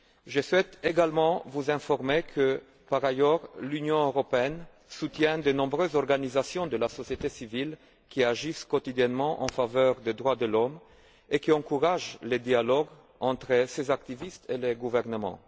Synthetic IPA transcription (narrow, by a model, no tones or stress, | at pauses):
ʒəswɛt̪eɡalmɑ̃vuzɛ̃fɔʁmekʰə | paʁajœʁlynjɔ̃øʁɔpeɛn | sut̪jɛ̃d̪ənɔ̃bʁøzɔʁɡanizasjɔ̃d̪əlasɔsjet̪esivil | kʲiaʒiskɔt̪id̪jɛnmɑ̃ʔɑ̰̃favœʁd̪ed̪ʁwad̪əlɔm | ekiɑ̃kuʁaʒled̪ialɔɡ | ɑ̃t̪χəsezak̚t̪ivist̪eleɡuvɛʁnəmɑ̰̃